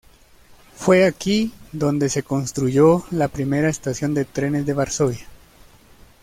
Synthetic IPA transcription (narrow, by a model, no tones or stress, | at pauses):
fwe̞akiðo̞nd̪e̞se̞ko̞nst̪ɾuʝo̞lapɾime̞ɾaest̪asjo̞nd̪e̞t̪ɾe̞ne̞zðe̞βaɾso̞βja